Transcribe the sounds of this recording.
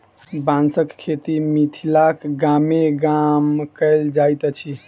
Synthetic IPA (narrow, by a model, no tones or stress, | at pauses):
bãnsəkkʰːet̪imit̪ʰilakɡameɡamkəld͡ʒajt̪ət͡ʃʰi